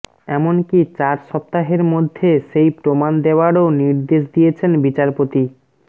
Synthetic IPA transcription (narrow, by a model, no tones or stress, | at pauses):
ɛmonkit͡ɕaɾʃɔp̚t̪aɦeɾmod̪ʱːeʃejpɾomand̪eoaɾoniɾd̪eʃ̬d̪ijet͡ɕʰenbit͡ɕaɾpot̪i